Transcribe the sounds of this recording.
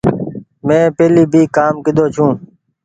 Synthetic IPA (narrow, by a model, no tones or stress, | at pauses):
mẽːpeːliːbʱiːkaːmkɪd̪ʱoːt͡ʃʰũː